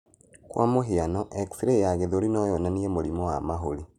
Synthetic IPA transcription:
kwʔa̰moɦeanɔʔɛksiɾejaɣeðoɾinɔjɔnaniemoɾimɔwamaɦoɾi

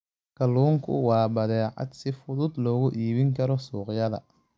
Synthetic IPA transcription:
kʰɐluːŋkʰʊ̰wɑːbɐðɛːʕɑ̰d̪sɪfʊðʊd̪lɔːɣʊʔiːβɪŋkʰɐɾɔsuːqjɐðɐ̰

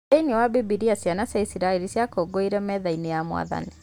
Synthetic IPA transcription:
einiɔwabibiɾiasjanasaisiɾaelisjakoːɡoiɾɛmɛðainijamwa̰ða̰ni

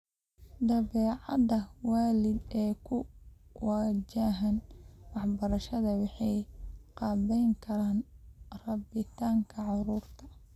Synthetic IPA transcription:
d̪ɐβɛːʕɑdɐwaːlɪd̪ɛːkʰʊwaːd͡ʒaːɦɐnwɑħbɐɾɐʃɐðɐwɑħɑjqɑːβɛjŋkʰɐɾaːnrɑbɪt̪ʰaːŋkʰɐʕɑɾuːrt̪ʰɐ̥

